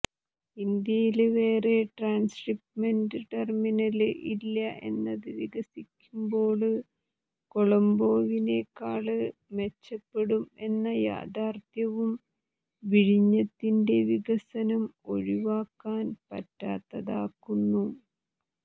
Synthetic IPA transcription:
ind̪jɐjilʋe̞ːre̞ʈraːnskripʈmɐndɨʈerminɐlɨʔilːɐʔe̞̰nːɐðɨʋiɣɐsikʲːumbo̞ːɭɨ | ko̞ɭɐmbo̞ːʋineːkːaːɭɨme̞t͡ɕːɐpːe̞ɽume̞nːɐja̰ːd̪aːrt̪jɐʋum | ʋiɻiɲːɐt̪ːinde̞ʋiɣɐsɐnɐmo̞̰ɻiʋaːkːaːnpɐ̰tːa̰ːt̪ːɐðaːkːunːu

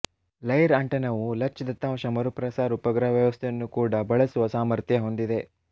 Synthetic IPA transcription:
lɐjɾɐɳʈɐnɐʋulɐkt͡ʃid̪ɐt̪ːɐmɐʃɐmɐɾupɾɐsaːɾupɐɡɾɐʋjɐʋɐst̪ʰejɐnːukuːɽɐbɐɭɐsuʋɐsaːmɐɾt̪ʰjɐɦo̞nd̪id̪e̞

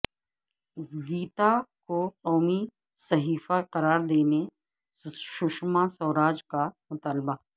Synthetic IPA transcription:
ɡiːt̪akoqɔːmi | sɐɦiːfaqɐɾaːɾd̪eːne | ʃʊʃmãsɔːɾaːd͡ʒkamʊt̪aːlba

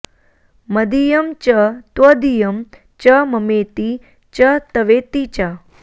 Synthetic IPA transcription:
mɐd̪ijɐmt͡ʃɐt̪ʋɐd̪ijɐm | t͡ʃɐmɐmet̪i | t͡ʃɐt̪ɐʋet̪it͡ʃa

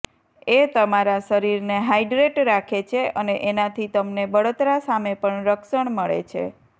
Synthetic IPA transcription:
et̪əmaɾaʃəɾiɾneɦajɖɾeʈɾakʰet͡ʃʰeʔəneʔenat̪ʰit̪əmnebəɽot̪ɾasamepəɳɾəkʃəɳməɭḛt͡ʃʰḛ

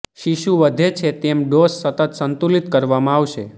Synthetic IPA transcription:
ʃiʃuʋəd̪ʱet͡ʃʰet̪emɖosːət̪ət̪sənt̪ulit̪kəɾʋamãaʋʃe

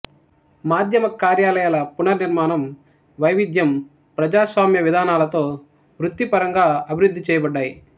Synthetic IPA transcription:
maːd̪ʱjɐmɐkaːɾjaːlɐjaːlɐpunɐniɾmaːnɐm | ʋɐjʋid̪ʱjɐm | pɾɐd͡ʒaːsʋaːmjɐʋid̪ʱaːnaːlɐt̪o̞ː | ʋɾut̪ːipɐɾɐŋɡaːɐbʱiɾud̪ʱːit͡ʃɛːjɐbɐɖːaːji

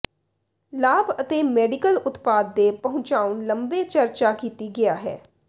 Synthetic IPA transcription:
laːbət̪eːmɛːɖɪkəlʊt̪paːd̪̚ːeːpəɦʊ̃t͡ʃaːʊnləmbeːt͡ʃəɾt͡ʃaːkiːt̪iːɡɪaːɦɛ̰ː

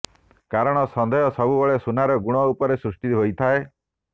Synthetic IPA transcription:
kaɾɔɽ̃ɔsɔnd̪ɔjɔsɔbubɔɭesunaɾɔɡuɽ̃ɔupɔɾesɾusʈit̪ɦojt̪ʰae

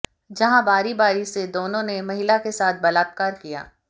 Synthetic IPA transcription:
d͡ʒɐɦãbaːɾibaːɾised̪oːnõnemɐɦɪlakesaːt̪̚ʰbɐlaːt̪̚kaːɾkija̰ː

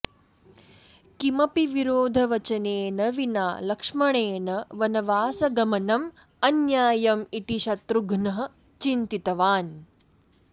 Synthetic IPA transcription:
kimɐpiʋiɾoːd̪ʱɐʋɐt͡ʃɐneːnɐʋinaːlɐkʂmɐɳ̃eːnɐʋɐnɐʋaːsɐɡɐmɐnɐm | ɐnjaːjɐmit̪iʃɐt̪ɾuɡʱnɐɦɐ̆ | t͡ʃint̪it̪ɐʋaːn

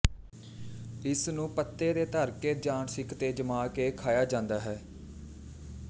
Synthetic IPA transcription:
ɪsnũːpət̪ːeːd̪eːt̪əɾkeːd͡ʒaːɳsɪkt̪eːd͡ʒəmaːkeːkʰaːjaːd͡ʒãːnd̪aːɦɛː

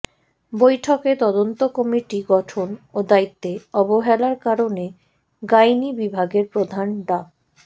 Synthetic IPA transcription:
bojʈʰoket̪ɔd̪ont̪okɔmiʈiɡɔʈʰonod̪ait̪ːeɔboɦɛlaɾkaɾone | ɡajnibibʱaɡeɾpɾod̪ʱanɖa

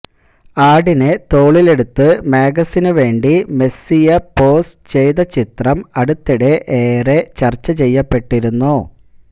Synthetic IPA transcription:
aːɽinɨt̪o̞ːɭile̞ɽut̪ːɨmaːɡɐsinɨʋe̞ːɳɖime̞sijɐpo̞ːst͡ɕe̞jðɐt͡ɕit̪rɐmɐɽut̪ːiɽe̞ʔeːre̞t͡ɕɐrt͡ɕːɐt͡ɕe̞jːɐpːe̞ʈːiɾunːu

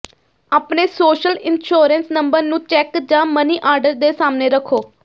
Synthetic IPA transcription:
aːpneːsoːʃəlɪnʃoːɾənsnəmbəɾnũːt͡ʃɛːkd͡ʒãːməniːʔaːɾɖəɾd̪eːsaːmneːɾəkʰːoː

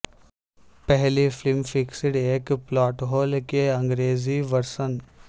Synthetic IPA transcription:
pɛɦliflɪmfɪksɪɖeːkplɔːʈɦoːlkeɐ̃ŋɡɾeːziʋɐɾsən

